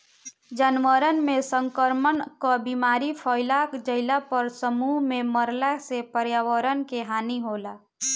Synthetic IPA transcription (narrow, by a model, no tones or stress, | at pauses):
d͡ʒənʋəɾənmẽsəŋkəɾmənkabiːmaːɾipʰɔːɪlakd͡ʒəɪlapəɾsəmuɦmẽməɾlasepəɾjaːwəɾənkeɦaːniɦoːlaː